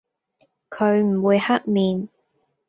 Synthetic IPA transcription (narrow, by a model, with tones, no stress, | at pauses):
kʰɵ˨˧ɥm̩˨˩wuː˨˧jhɐ˦˥k̚miː˨˧n